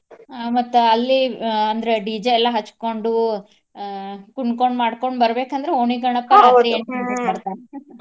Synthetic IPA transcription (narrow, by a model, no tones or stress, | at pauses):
amɐt̪ːuɐlːiɐnd̪ɐɾeɖiːd͡ʒɐɛlːɐɦɐt͡ʃːko̞ɳɖu | kuɳkoɳɖmaːɽko̞ɳɖbɐɾbeːkɐnd̪ɾeoɳiɡɐɳɐkːɐlɐɾieɳʈɐɐbɐɾt̪aːne